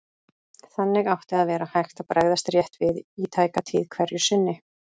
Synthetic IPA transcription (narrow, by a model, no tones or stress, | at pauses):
θanːɪɣawht̪ɪaðvɛːɾahajxt̪aðpɾaɣðast̪rjɛht̪vɪðit̪ʰaːjkat̪ʰiːðkʰvɛɾjʏsɪnːɪ